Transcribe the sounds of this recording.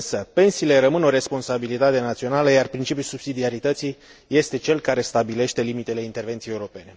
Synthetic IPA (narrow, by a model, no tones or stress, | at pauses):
nsəpe̞nsiːle̞ɾəmɨno̞ɾe̞spo̞nsabilit̪at̪e̞nat̪sio̞naləjarpɾint͡ʃipjulsub̥sid̪iaɾit̪ət̪sij | je̞st̪e̞t͡ʃe̞lkaɾe̞st̪abile̞ʃt̪e̞limit̪e̞le̞int̪e̞rve̞nt̪sijeuɾo̞pe̞ne̞